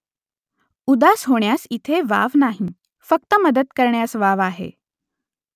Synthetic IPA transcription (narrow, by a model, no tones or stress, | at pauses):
ud̪asɦoɳjasit̪ʰeʋa̰ʋnaɦi | fək̚t̪əməd̪əd̪kəɾɳjasʋaʋaɦḛ